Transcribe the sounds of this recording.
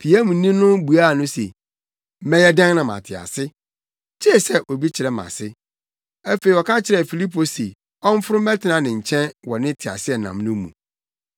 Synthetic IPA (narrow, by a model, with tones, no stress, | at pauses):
pʰi˨a˦mũ˨˦nĩ˦nʊ̃˦bu˨a˦˨nʊ̃˦sḛ˨˦ | mɛ̃˦jɛ˦dã˦ŋ˦nã˨mã̰˨tʰɪ˨a̰˨sɪ˦ | t͡ɕʰe˦˨sɛ˦ʔo˨bi˦t͡ɕʰɪ˨ɾɛ˦mã̰˨sɪ˦ | æ˦fe˨i˨wɔ˨kʰã˦t͡ɕʰɪ˨ɾɛ˨fi˨li˦pʰo˨si˨ | ɔ̃˦m˦fʊ˦ɾʊ˦mɛ̃˦tʰɪ˨nã˨nɪ̃˨ɲ̩˨t͡ɕʰɛ̃˦nwɔ˨nɪ̃˦tʰɪ˨a̰˨sɪ˦ɛ˨nã̰˨mnʊ̃˦mṵ̃˨